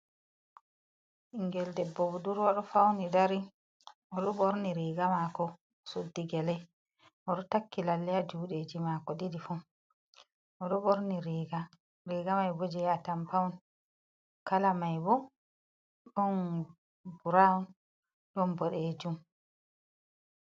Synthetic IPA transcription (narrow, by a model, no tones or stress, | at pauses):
ʔiŋɡɛldɛbːɔbɔduɾwaɗɔfawnidaɾi | ɔɗɔɓɔɾniɾiɡamakɔ | sudːiɡɛlɛj | ʔɔɗɔtakːilalːɛjad͡ʒuːɗed͡ʒimakɔɗidifu | ɔɗɔboɾniɾiɡa | ɾiːɡamajbɔd͡ʒɛjatampawn | kalamajbɔ | ɗɔn | buɾan | ɗɔnbɔɗed͡ʒum